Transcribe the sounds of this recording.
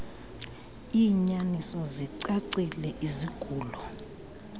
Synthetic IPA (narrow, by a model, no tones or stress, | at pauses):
iːɲanisɔziǀaǀilɛʔiziɡ̥ʱuːlɔ